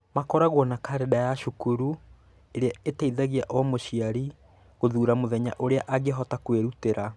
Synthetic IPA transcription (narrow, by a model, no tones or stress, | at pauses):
makɔɾaɣwɔnakaɾedajaʃukuɾu | eɾeaetaiðaɣiaʔɔmoʃiaɾi | ɣoðuːɾamoðɛɲaʔoɾeaʔaɣeɦɔtakweɾuteɾʔa